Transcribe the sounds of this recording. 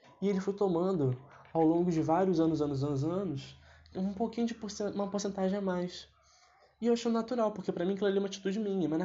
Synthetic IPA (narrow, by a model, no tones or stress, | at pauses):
ɪelɪfojt̪omɐ̃nd̪ʊ | awlõŋɡʊd͡ʒɪvaɾjʊzɐ̃nʊzɐ̃nʊzɐ̃nʊzɐ̃nʊsũpokĩɲʊd͡ʒɪposeũmɐpoxsẽnt̪aʒẽj̃amajs | ɪewaʃɐ̃d̪ʊnat̪uɾawpʊχkepɾɐmĩkɛlɛliũmɐat͡ʃi̥t̪ud͡ʒɪmĩɲɐmɐznɐ